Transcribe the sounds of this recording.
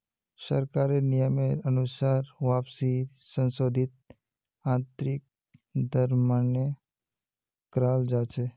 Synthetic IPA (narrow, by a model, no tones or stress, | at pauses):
sə̰ɾkaɾenɪjəmeɾənʊsaːɾʋaːpsi | sə̃nsoːd̪ʱɪt̪̚ | ãːnt̪ɾɪk̚ | d̪əɾmanjə | kɾaːld͡ʒat͡ʃʰe